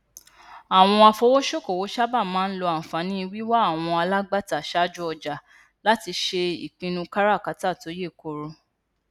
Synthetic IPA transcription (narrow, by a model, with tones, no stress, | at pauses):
a˨w̃ɔ̃˧a˧fo˧wo˦ʃo˦˨ko˨wo˨˦ʃa˦ba˦˨mãː˨˦n̩˦lɔ˧a˨n̩˨fa˨˦nĩ˦i˧wi˦wa˦a˦˨w̃ɔ̃˧a˧la˦ɡ͡ba˦˨ta˨ʃa˦d͡ʒu˦ɔ˧d͡ʒa˨ | la˦ti˧ʃe˧ḭ˨k͡pĩ˧nũ˧ka˦ɾa˦˨ka˨˧˦ta˦˨to˨˦je˦˨ko˨˧ɾo˧